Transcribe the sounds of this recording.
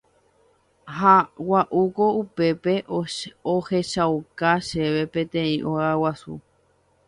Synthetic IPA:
hawaʔukoupe̞pe | oheʃawkaʃeʋe̞pẽt̪ẽĩʔoawasṵ

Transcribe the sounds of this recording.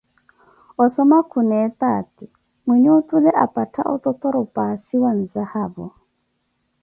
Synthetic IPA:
ɔsɔmakʰunɛːt̪aːti | mwiɲutʼulɛʔapʼatʰa̰ʔɔ̰t̪ʼɔt̪ɔɾɔpʼasiwan̩zahaːbɔ

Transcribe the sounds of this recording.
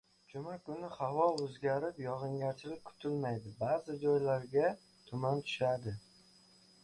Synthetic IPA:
d͡ʒʊmakʊnɪhavɒɵzɡʲaɾɪpjɒʁɨŋɡʲaɾt͡ʃʰɪlɪk̚ʲkʰʊ̥t̪ʰɪlmajd̪ɪbazɪd͡ʒɒjlaɾɡʲa | t̪ʰʊmant̪ʰʊ̥ʃad̪ɪ

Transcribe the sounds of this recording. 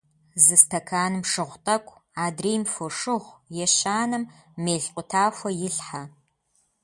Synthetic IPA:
zɨstʰɐkʰaːnɨmʂɨʁʷtʼɐkʷʼaːdriːjmfoʂɨʁʷjɛɕaːnɐmːeːɬqʷʼʊtʰaːfʷɐjɪɬħa

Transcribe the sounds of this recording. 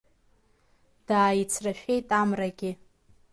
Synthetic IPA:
d̥aːjit͡sʰraʃᶣejtʼamraɡʲɪ

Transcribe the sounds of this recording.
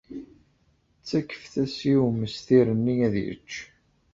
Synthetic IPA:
t͡sːækːə̥fθæsiuməsθiɾənːiæðjə̰t͡ʃː

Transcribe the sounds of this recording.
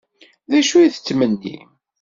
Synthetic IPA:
ðæʃujiθə̥t͡sːmənːḭ

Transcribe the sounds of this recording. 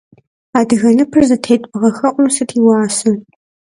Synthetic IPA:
aːdɨɣɐnɨpʰɨrzɐtʰeːjtʼpʼɨʁɐxɐqʷʼʊmsɨtʰiːwɑːsɐ

